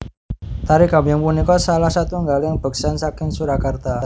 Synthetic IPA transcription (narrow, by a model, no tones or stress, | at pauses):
t̪aɾikabijaŋpunikɔsalahsat̪uŋɡaljaŋb̥ə̤ksansakɪŋsuɾakart̪a